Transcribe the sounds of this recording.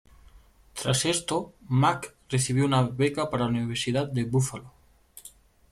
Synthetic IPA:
t̪ɾasest̪omak | reθiβ̞jounaβekapaɾaluniβ̞eɾsiðat̪̚d̪eβufalo

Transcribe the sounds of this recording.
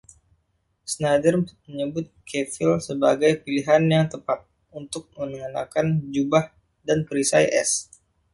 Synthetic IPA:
snadərmməɲəbʊt̪̚kʰefilsəbaɡajpiliɦanjaŋt̪əpat̪̚ | unt̪ʊk̚mənəŋəna̰kand͡ʒubah | danpəɾisajʔɛ̰s

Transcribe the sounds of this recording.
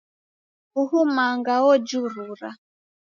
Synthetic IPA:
huhumaŋɡaɔd͡ʒuɾuɾa

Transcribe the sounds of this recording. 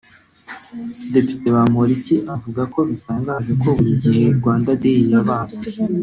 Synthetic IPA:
de̞pi̥te̞βamoɾiciʔavuɡako̞βitaːŋɡaʒeko̞βuɾiɟihe̞ɾɡwaːndadejijaβaːza

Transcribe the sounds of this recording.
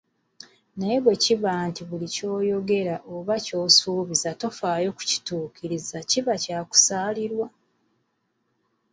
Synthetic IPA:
nejeβwe̞ciβaːntiβulico̞ːjo̞ɡe̞ɾaʔo̞βaco̞ːsuːβizato̞faːjo̞ku̥ci̥tuːkiɾizaciβacaːku̥saːliɾwa

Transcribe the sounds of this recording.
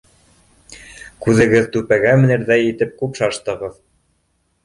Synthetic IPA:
kʉðɘ̆ɡɘðt̪ʉpæɡæmɘ̆nɘ̆ɾðæjit̪ɘp̚kʉpʃɑʃt̪ɤ̆ʁɤð

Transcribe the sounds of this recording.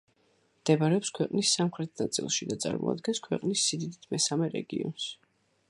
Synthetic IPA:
md̪̥ɛbaɾɛɔpskʰwɛqʼnisːamχɾɛt̪̚ʰnat̪sʼḭlˠʃid̪at̪sʼa̰ɾmɔ̰a̰d̪ɡɛnskʰwɛqʼnisːid̪id̪it̪ʰmɛsamɛɾɛ̰ɡiɔns

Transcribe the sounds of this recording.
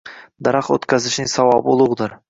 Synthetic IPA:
d̪aɾɑqo̰t̪kʲʰazɪʃnɪŋsawɒbɪʊlˠʊʁd̪ɪɾ

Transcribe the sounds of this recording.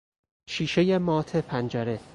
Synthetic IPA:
ʃiːʃejemɒːt̪ʰepʰænd͡ʒæɾe

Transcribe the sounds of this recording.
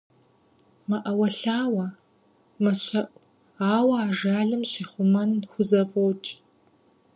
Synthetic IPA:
mɐʔɐwɐɬaːwɐ | mɐɕɐʔʷʼ | aːwɐːʒaːɮɨmɕiχʷʊmɐnxʷʊzɐfʼowt͡ʃʼ

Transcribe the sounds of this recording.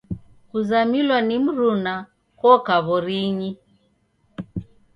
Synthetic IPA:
kuzamilwanim̩ɾuna | kɔkaβɔɾiɲi

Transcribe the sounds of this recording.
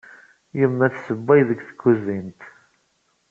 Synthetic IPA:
jəmːæθsəbːæjðəkθə̥ɡːuzint̪

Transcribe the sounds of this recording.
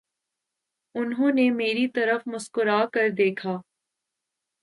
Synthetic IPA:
ʊnɦõːnemeːɾit̪ɐɾəfmʊskʊɾaːkɐɾd̪eːkʰaː

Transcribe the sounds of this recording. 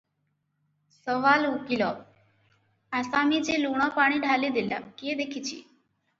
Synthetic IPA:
səʋaːlukiloː | aːsaːmid͡ʒeːluːɽ̃ãpaːɽ̃iɖʱaːlid̪ɪla̰ːkeːd̪eːkʰiːt͡ʃʰḭː

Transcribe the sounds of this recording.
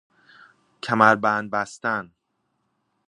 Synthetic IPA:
cʰæmæɾbænbæst̪æn

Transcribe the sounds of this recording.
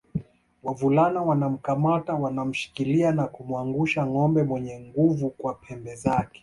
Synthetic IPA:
wavulanawanam̩kamatawanam̩ʃi̥kilianakumuaŋɡuʃaŋɔmbɛmwɛɲɛŋɡuvukwapʰɛmbɛzakɛ̥

